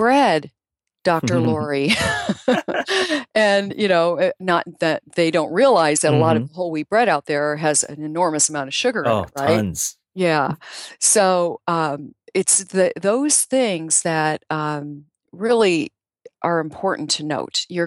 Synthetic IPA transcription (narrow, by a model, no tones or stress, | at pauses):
b̥ɹɛd̚ | d̥ɑk̚tə˞lɔɹi | ɨ̃njɨnoʊnətðɨt̪̚ðeɪdõʊ̃nt̚ɹiəlaɪzðɨɾəlɔɾʌvðəɦoʊlˠwib̥ɹɛɾaʊt̪̚ðə˞ɨzɨ̰̃nɨnɔɹmɨsəmãʊ̃ñtʌv̥ʃʊɡə˞ɪ̰̃ʔ̚ɹaɪt̚nz̥ | jæ | soʊʌ̃mɪtsðɨðoʊz̥θɪ̃ŋz̥ðɨt̚ʌ̃m | ɹɪlˠi | ʔə˞ɨ̃mpʰɔɹʔn̩tʰɨno̰ʊtjə˞